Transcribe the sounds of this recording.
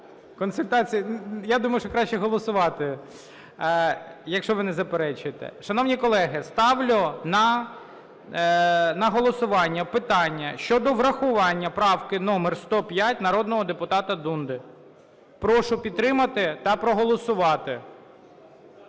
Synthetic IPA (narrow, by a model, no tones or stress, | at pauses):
kɔnsʊlʲt̪ɑt͡sʲijɐjad̪umɐjʊʃt͡ʃɔkɾɑʃt͡ʃːɛɦɔlˠɔsʊʋɑt̪ɪ | jɐkʃt͡ʃɔʋɪnɛzɐpeɾɛt͡ʃɪt̪ɛ̰ʃɐnɔwnʲikɔlˠɛɦɪst̪ɑwlʲɔnɐ | nɐɦɔlˠɔsʊʋɑnʲːɐpɪt̪ɑnʲːɐʃt͡ʃɔd̪ɔʋɾɐxʊʋɑnʲːɐpɾɑwkɪnɔmɛrst̪ɔpʲjat̚ʲnɐɾɔd̪nɔɦɔd̪epʊt̪ɑt̪ɐd̪und̪ɪ | pɾɔʃʊpʲid̪t̪ːɾɪmɐt̪ɪt̪ɐpɾɔɦɔlˠɔsʊʋɑt̪ɪ